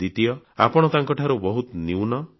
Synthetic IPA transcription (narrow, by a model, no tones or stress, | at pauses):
d̪it̪ijɔ | a̰pɔɽ̃ɔt̪aŋkɔʈʰaɾubɔɦut̪niwnɔ